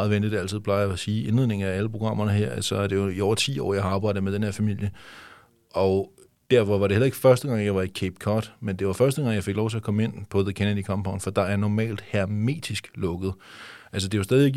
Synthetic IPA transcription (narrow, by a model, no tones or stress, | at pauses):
ð̩ˠʋend̥ið̥æl̰t͡sʰið̞̩̰ˠpʰlɑ̈ɪɐsiːe̝nle̝ð̰ˠne̝ŋ̩ææləpʰʁo̝ɡ̥ʁɑ̈m̰ɐnəɦeɐ̰æsɒæd̥ejoiɒʊ̰ɐt͡sʰḭːɒ̰ːjɑ̈ɪɑ̈ːb̥ɑ̈ɪ̰d̥əmed̥enheɐfæmil̰jə | ʔɒ̽ | d̥æɐ̰fɒ̽ʋɑ̈ɾe̝helɐe̝ɡ̥fɶɐsd̥əɡ̥ɑ̈ŋ̰jɑ̈ɪʋɑ̈ikʰeb̥kʰɒːd̥mend̥e̝ʋɑ̈fɶɐsd̥əɡ̥ɑ̈ŋ̰jɑ̈ɪfe̝ɡ̥lɒ̰ʊt͡sʰe̝ækʰɒ̽məe̝n̰pʰɒ̽ðəkʰænədikʰɒmb̥ʰɑ̈ʊnfɒd̥ɑ̈æɐnɒmɛ̰ːld̥hæme̝̰ːd̥isɡ̥lɔ̽ɡ̥əð̩ˠʔæls̬əd̥e̝josd̥ɛːðˠiʋeɡ